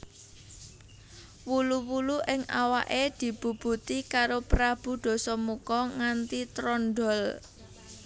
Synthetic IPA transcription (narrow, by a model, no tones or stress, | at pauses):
wuluwuluʔɪŋa̰wa̰ʔed̪̥i̤b̥ṳb̥ṳt̪ikaɾopɾab̥ṳd̪̥ɔ̤sɔmukɔŋant̪it̪ɾɔnɖɔ̤l